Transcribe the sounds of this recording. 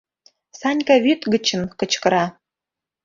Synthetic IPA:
sɑnʲkɑβyt̪ɡə̆t͡ɕə̆nkɤ̆t͡ɕkɤ̆ɾɑ

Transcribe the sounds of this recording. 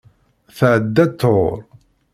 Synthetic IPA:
θʕəd̪ːæt̪ʰːoɾˤ

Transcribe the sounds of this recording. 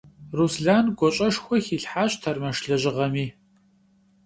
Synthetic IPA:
rusɮaːnɡʷɔɕʼɐʂxʷɔxiɬħaːɕtʰɐrmɐʂɬɐʑɪʁɐmiː

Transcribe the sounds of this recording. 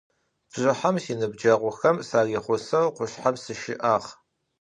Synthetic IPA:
b̥ʑɪħamsiːnɨbd͡ʒɐʁʷʊxɐmsaːriːχʷʊsɐwqʷʊɬħamsɨʃɪ̰ʔaːʁ

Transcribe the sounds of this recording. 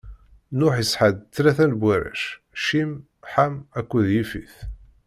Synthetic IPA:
nʊħjiəsħəd̪̚t͡sːlæθænbʷwæɾæ̰ʃ | ʃim | ħamækʷːuðjifiθ

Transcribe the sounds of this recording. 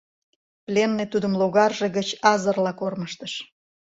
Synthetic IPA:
plʲenːet̪ud̪əmloɣɑrʒeɣət͡ɕɑzərlɑkorməʃt̪əʃ

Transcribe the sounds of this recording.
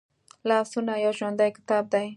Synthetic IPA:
lɑːsʊnajawʒwand̪ajkɪ̥t̪ab̚d̪aj

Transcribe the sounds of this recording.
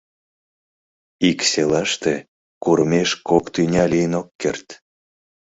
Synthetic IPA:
ikselɑʃt̪e | kuɾəmeʃkokt̪ynʲɑlijənokːḛrt̪

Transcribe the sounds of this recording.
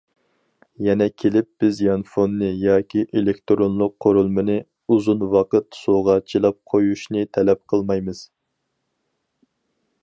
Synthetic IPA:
jɛnɛkʲʰelɪp̚b̥ɪzjɑnfonːɨjɑːkʲiʔelekʲt̪ɾonlˠʊqʰːoɾulˠmɨnɨ | uzunwɑqət̪soʁɑt͡ʃʰilˠɑp̚qʰojuʃnɨt̪ʰɛlɛp̚qʰəlˠmɑjmɨz̥

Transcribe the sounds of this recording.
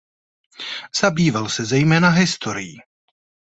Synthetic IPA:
z̥abiːvalsɛzɛjmɛːnaɦɪst̪ʰoɾɪjiː

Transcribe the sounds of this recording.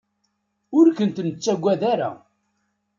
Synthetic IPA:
ʊɾkənt̪nət͡sːæɡʷːæðaɾa̰

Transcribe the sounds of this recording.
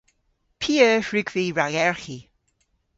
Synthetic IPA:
pʰiːəːhɹʉɡviɹaɡɛɹxi

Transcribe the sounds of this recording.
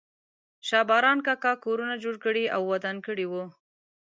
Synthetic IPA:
ʃɑbɑɾɑnkɑkɑkoɾunad͡ʒoɽkəɽiawːad̪ankəɽiwu

